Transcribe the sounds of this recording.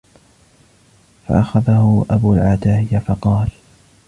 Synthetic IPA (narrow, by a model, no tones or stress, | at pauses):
fa̰ʔaxaðahʊʔabuːlʕaːd̪aːhɪjafɑqɑːl